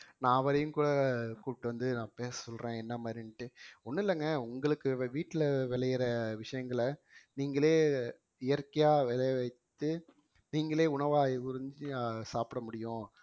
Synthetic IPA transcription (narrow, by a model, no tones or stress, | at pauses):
nãːɐʋɐɾɐjɯ̃ŋkuːɽɐkuːpɪʈːɯʋɐnd̪ɯnãːpeːssɔlɾẽːɛnːɐmaːɾɪnɪʈːɯɔnːɯɪlːɐŋɡɐʊŋɡɐɭɯkːɯʋiːʈːɪlɐʋɛlɐjɪɾɐʋɪʂɐjɐŋɡɐɭɐ | niːŋɡɐɭeː | ɪjɐɾkːɐjaːʋɪlɐjʋɐɪt̪ːɯ | niːŋɡɐɭeːʊɳɐʋaːkʊɾɲd͡ʒɯsaːpɪɽɐmʊɽɪjʊ̃